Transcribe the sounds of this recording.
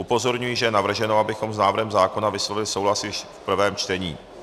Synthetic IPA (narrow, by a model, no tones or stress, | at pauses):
upo̞zo̞ɾɲujiʒɛjɛnavr̩ʒɛno̞abɪxo̞mznaːvɾ̩ɦɛmzaːko̞navɪslo̞vɪlɪso̞wɦlasɪʃfpr̩vɛːmt͡ʃt̪ɛɲiː